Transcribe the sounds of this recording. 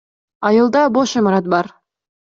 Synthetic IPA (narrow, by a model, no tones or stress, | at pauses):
ɑjɯlˠd̪ɑboʃimɑɾɑt̪̚bɑɾ